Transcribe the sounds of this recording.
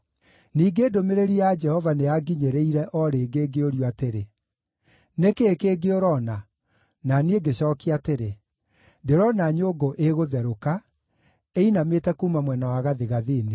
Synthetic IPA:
niːɡeːdomeɾeɾiad͡ʒɛhɔvaneaɡiɲeɾeiɾɛʔɔɾeːɡeːɡeoɾjoateɾe | nekeːkeːɡeoɾɔna | nanieɡeɕɔːkiateɾe | ndeɾɔnaɲoɡoʔeɣoðɛɾoka | einametɛkuːmamwɛnawaɣaðeɣaðene

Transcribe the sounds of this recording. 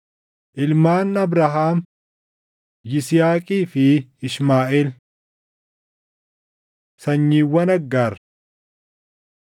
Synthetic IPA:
ʔɪlmaːnɐbɾɐɦaːm | jɪsɪjaːkʼiːfɪɪʃmaːʔel | sɐɲːiːwːɐnɐɡːaːɾ

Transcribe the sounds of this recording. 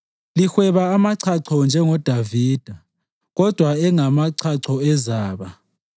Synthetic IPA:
lixwɛɓaːmaǀʰaǀʰɔnd͡ʒʱɛŋɔd̥ʱaviːd̥ʱa | ɣ̬ɔd̥ʱwaɛŋamaǀʰaǀɔɛzaːɓa

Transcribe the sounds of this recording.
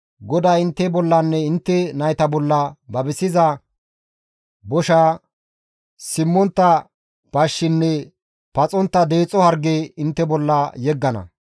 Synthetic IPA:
ɡɔd̪aːɪnt̪ːɛbɔlːɐnːɛɪnt̪ːɛnɐjt̪ɐbɔlːɐbɐbɪsɪzɐ | bɔʃaː | sɪmːɔnt̪ːɐ | b̥ɐʃːɪnːɛ | pɐt͡sʼɔnt̪ːɐd̪eːt͡sʼːɔhɐɾɡeːɪnt̪ːɛbɔlːɐjɛɡːɐnɐ̰

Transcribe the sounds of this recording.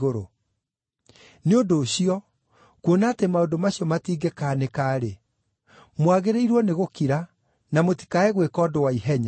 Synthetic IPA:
ɣoɾo | neodoːɕiɔ | kwonaːtemaodomaɕiɔmatiːɡɛkaːnekaːɾe | mwaɣeɾeiɾwɔneɣokiɾa | namoti̥kaɛɣwekɔdowaiɦɛɲa

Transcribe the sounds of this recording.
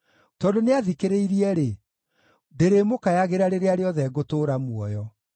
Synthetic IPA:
tɔdoneaðikeɾeiɾiɛɾe | deɾemokajaɣeɾaɾeɾeaɾeɔðɛɣotoːɾamwɔjɔ

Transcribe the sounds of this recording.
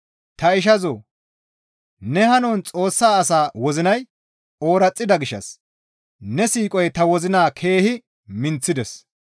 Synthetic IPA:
t̪ɐɪʃ̬ɐzoː | nɛhɐnoːnt͡sʼo̞ːsːaːɐsaːwɔzɪnɐj | o̞ːɾɐt͡sʼːɪd̪ɐɡɪʃɐ̰s | nɛsiːkʼɔjt̪ɐwɔzɪnaːkʰe̞ːhɪ | mɪnt͡sːɪd̪ɛs

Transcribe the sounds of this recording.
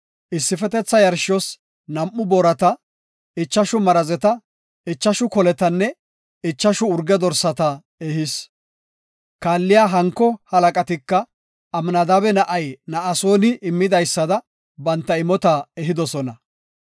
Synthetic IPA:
ʔɪsːɪfɛt̪ɛt͡sːɐjɐɾʃɔs | nɐmʔʊboɾɐt̪ɐ | ɪt͡ʃːɐʃʊmɐɾɐzɛt̪ɐ | ɪt͡ʃːɐʃʊkɔlɛt̪ɐnːɛ | ɪt͡ʃːɐʃʊʊɾɡɛd̪ɔɾsːɐt̪ɐ | ɛɦɪs | kaːlːɪjaːɦɐŋkːɔhɐlɐkʼɐt̪ɪkːɐ | ɐmnɐd̪ɐbɛnɐʔɐjnɐʔɐso̞ːnɪʔɪmːɪd̪ɐjsːɐd̪ɐ | bɐnt̪ːɐɪmɔt̪ɐɛɦɪd̪ɔsɔnɐ

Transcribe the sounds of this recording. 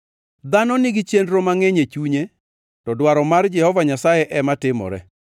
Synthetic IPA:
d̪anɔnɪɡɪt͡ʃendɾomaŋɛɲet͡ʃuɲe | tɔdwaɾɔmard͡ʒɛhɔvaɲasajɛʔɛmatɪmɔ̰ɾɛ̰

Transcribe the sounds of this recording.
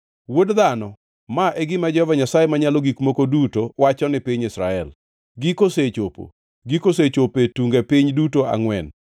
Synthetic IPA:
wodðanɔ | maʔeɡɪmad͡ʒɔɔvaɲasajemaɲalɔɡikmokodutowat͡ʃɔnɪpiɲɪsɾa̰ɛl | ɡikoset͡ʃopo̰ | ɡikoset͡ʃopetuŋɡepiɲdutoa̰ŋwɛn

